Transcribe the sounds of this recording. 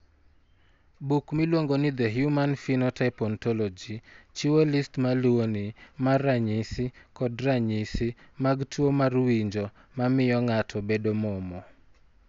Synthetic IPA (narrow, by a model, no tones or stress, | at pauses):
bukmilwoŋɡonɪd̪ɛɦjumanfinɔtaɪpɔntɔlɔd͡ʒit͡ʃiwolistmaluonɪmarːaɲisɪkɔdɾaɲisɪmaɡtwomarwiɲd͡ʒɔ | mamɪjɔŋatʰɔbedomɔmɔ